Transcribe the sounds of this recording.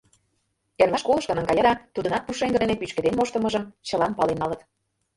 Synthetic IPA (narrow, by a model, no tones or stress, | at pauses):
ervɑʃkolˠə̆ʃkə̆nənɡɑjɤ̆ɾɑt̪ud̪ə̆nɑt̪̚puʃeŋɡə̆d̪enepyt͡ɕked̪enmoʃt̪ə̆mə̆ʒəmt͡ɕɤ̆lɑnpɑlenːɑlət̪